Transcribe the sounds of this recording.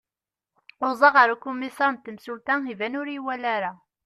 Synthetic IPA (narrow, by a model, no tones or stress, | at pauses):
ʊzˤɑʁaɾukumisɑɾˤnt̪ːəmsult̪ænivænʊɾiwælæɾa